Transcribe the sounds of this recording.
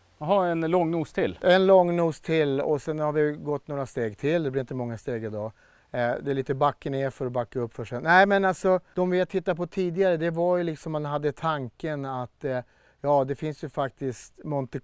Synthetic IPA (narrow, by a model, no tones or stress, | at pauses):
ɦɑɛnlɔŋnuːst̪ʰɪlɛnlɔŋːnuːst̪ʰɪlɔ̰sɛnhaɾvɪɡɔt̪ːnoːɾast̪eːɡt̪ʰɪlːd̪ɛblɪɾɪnt̪əmɔŋːast̪eːɡɪd̪ɑː | d̪ɛɭiːt̪əbakːəneːɾfœɾɔbakːaɵpːfœʂɛnæɪmɛnalsɔd̪ɔmvɪhat̪ʰɪt̪ːat̪̚pʰɔt̪ʰiːd̪ɪɡaɾəd̪ɛvaɾjɵlɪksɔmːanɦad̪ːət̪ʰaŋkənat̪ː | jɑːd̪ɛfɪnsjɵfak̚t̪ɪst̪mɔnt̪ə